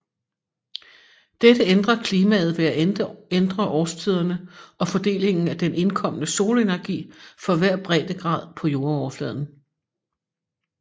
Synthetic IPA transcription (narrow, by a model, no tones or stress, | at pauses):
d̥ed̥əend̥ʁɐkʰliːmɛð̞̩ˠʋe̝æend̥ʁɐʔɒːst͡sʰið̞̰ˠɐnəɒ̽fɒ̽d̥e̝̰ːle̝ŋn̩æd̥enʔe̝nkʰɒ̽m̰nəso̝ːləe̝næɐɡ̥ḭːfɒ̽ʋæɐ̰b̥ʁɛːd̥əɡ̥ʁɑ̰̈ːð̰ˠpʰɒ̽jo̝ːɐɒːflɛːðˠn̩